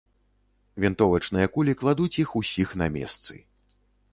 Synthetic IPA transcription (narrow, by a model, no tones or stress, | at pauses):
vʲint̪ɔvɐt͡ʂnɨjɐkulʲiklˠad̪ut͡sʲixusʲixnamʲɛ̰st̪sɨ̰